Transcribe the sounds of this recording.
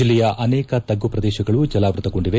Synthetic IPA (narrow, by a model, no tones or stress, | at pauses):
ilːɛjɐʔɐnɛːkɐt̪ɐɡːupɾɐd̪ɛːʃɐɡɐɭud͡ʒɐlaːʋɾut̪ɐko̞ɳɖiʋe